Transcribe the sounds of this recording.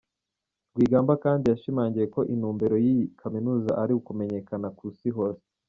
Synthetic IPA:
ɾɡwiːɡaːmbakaːndijaʃimaːɲɟije̞ko̞ʔinuːmbe̞ɾo̞jikʰaminuːza̰ʔaɾiukume̞ɲe̞kanakusiɦo̞se̥

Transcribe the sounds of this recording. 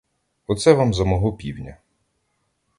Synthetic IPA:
ɔt̪sɛʋamzɐmɔɦɔpʲiwnʲɐ

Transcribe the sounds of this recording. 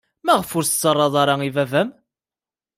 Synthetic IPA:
mæʁəfʊɾst͡sːərˤːɑðˤɑɾˤɑivævæm

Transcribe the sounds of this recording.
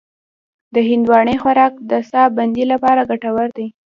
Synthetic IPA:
d̪əɦɪnd̪wɑɳexwaɾɑk̚d̪əsɑband̪ilapɑɾaɡaʈawaɾd̪e

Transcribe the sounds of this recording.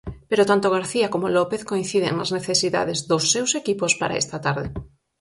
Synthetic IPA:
peɾot̪ant̪oɣ̞aɾθiakomolɔpeθkoĩn̟θiðḛŋnazneθesiða̰ðezðosːewsekipospaɾa̰ḛst̪at̪aɾðe

